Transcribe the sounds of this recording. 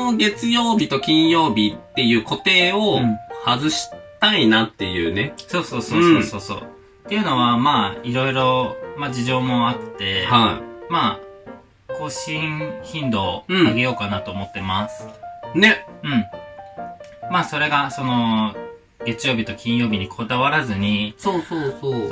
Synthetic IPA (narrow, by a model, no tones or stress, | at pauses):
oɡe̞t͡sɨjo̞ːbʲit̪o̞kʲĩɰ̃jo̞ːbʲit̪ːe̞jɯ̟ːko̞t̪e̞ːo̞hazɨɕi̥t̪ainat̪ːe̞jɯ̟̰ːne̞so̞ːso̞ːsoːsoːso̞ːso̞̰ː | t̪ːejɯ̟no̞βamaːiɾo̞iɾo̞mad͡ʑiʑo̞ːmo̞at̪ːe̞haḭmaː | ko̞ːɕĩçĩnd̪o̞ːaɡe̞jo̞ːkanat̪o̞ːmo̞t̪ːe̞masɨ̥ne̞ɯ̟̃ɴ | maːso̞ɾe̞ɡaso̞no̞ | ɡ̥e̞t͡sɨjo̞ːbʲit̪o̞kʲĩɰ̃jo̞ːbʲiɲ̟ikʰo̞d̪aβaɾazɨɲ̟isoːsoːsoː